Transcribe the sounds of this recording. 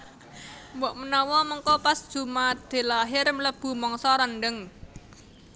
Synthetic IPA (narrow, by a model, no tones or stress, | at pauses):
mbɔʔmənɔwɔməŋkɔpasd̥ʒ̥ṳmat̪̚d̪̥e̤laɦɪrmələb̥ṳmɔŋsɔɾənɖəŋ